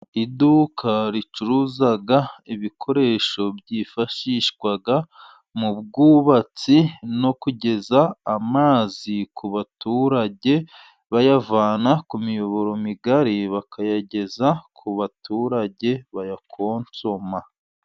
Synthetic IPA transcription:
idukʰaɾit͡ʃuɾuzaɡaiβikʰo̞ɾe̞ːʃo̞bɟifaʃiːʃɡwaɡa | mub̚ɡuːβat͡sino̞kuɟe̞zaːmaːzikuβatuːɾaɟe̞ | βajavaːnakumijo̞βo̞ɾo̞miɡaɾiβakʰajaɟe̞zakʰuβatuːɾaɟe̞βajakʰo̞ːnt͡so̞ma

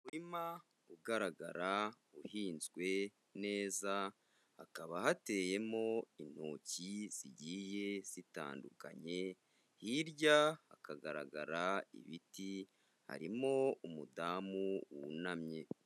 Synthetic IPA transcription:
uɾima | uɡaɾaɡaɾa | uhiːnzɡwe̞ | ne̞ːza | hakaβahate̞je̞mo̞in̥hoːciz̥iɟiːje̞z̥ita̰ːnduka̰ɲe̞ | hiɾɟahakaɡaɾa̰ɡa̰ɾaḭβiti | ha̰ɾimo̞umudaːmuwunamɲe̞

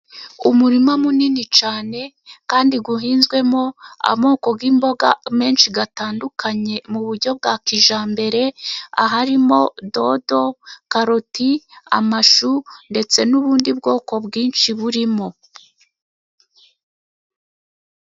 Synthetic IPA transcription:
umuɾimamuninit͡ʃaːne̞ | kaːndiɡuɦiːnzɡwe̞mo̞a̰mo̞ːko̞ɡɡiːmbo̞ɡa̰me̞ːnʃiɡataːndukʰaɲe̞muβuɾɟo̞b̚ɡaːkiʒaːmbe̞ɾe̞a̰ɦaɾimo̞do̞do̞kaɾotia̰maʃunde̞t͡se̞nuβuːndib̚ɡo̞ːko̞bɡiːnʃiβuɾimo̞

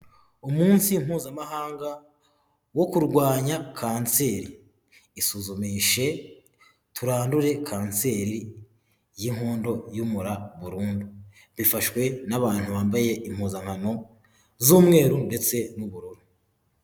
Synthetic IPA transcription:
umuːnsim̥uːzamaɦaːŋɡa | wo̞kuɾɡwaːɲakʰaːnse̞ːɾiː | suzumiʃe̞ | tuɾaːnduɾe̞kʰaːnse̞ɾi | jiŋhoːndo̞jumuɾaβuɾuːndu | βifaʃwe̞naβaːn̥huβaːmbaje̞ʔim̥huːzaŋhano̞ | zuːmŋe̞ːɾunde̞t͡se̞nuβuɾoɾu

